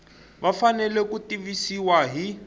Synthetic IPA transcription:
βafanɛlɛkutiβisiwaɦi

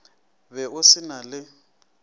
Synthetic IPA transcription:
bɛʔʊsɪnalɪ

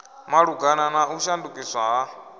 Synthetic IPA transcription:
maɺuɡananauʃandukʼiswaɦa

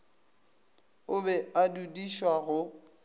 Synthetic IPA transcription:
ʊbɛadudiʃwaɣʊ

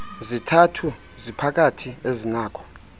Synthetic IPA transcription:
zitʰatʰu | zipʰak̬atʰiezinaːkʰɔ̥

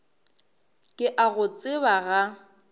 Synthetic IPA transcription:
kʼɪʔaɣʊt͡sʼɪbaɣa

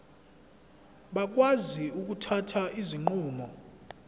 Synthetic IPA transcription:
ɓak̬ʼwaziuk̬ʼutʰatʰaʔiziŋ͡ǃuːmɔ

